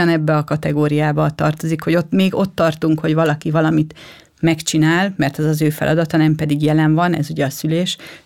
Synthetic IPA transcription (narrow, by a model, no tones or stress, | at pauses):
ɒnɛbːɛɒkɒt̪ɛɡoːɾijaːbɒt̪ɒ̰rt̪o̞zikho̞ɟo̞t̪ːmeːɡo̞t̪ːɒrt̪uŋkho̞ɟvɒlɒkivɒlɒmit̪ | mɛkt͡ʃinaːlmɛrt̪ɛzɒzøːfɛ̰lʔɒ̰d̪ɒt̪ɒnɛmpɛd̪iɡjɛlɛɱvɒnɛ̰zuɟɛɒsyleːʃ